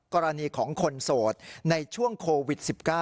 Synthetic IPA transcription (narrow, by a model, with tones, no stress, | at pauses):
kɔː˧ɾa˧niː˧kʰɔː˩˦ŋkʰo˧nsoː˨˩t̪̚na˧jt͡ɕʰu˥˩əŋkʰoː˧wi˨˩t̪̚si˨˩p̚kaː˥˩